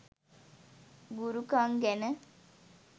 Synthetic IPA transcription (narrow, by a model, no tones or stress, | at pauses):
ɡuɾukaŋɡænə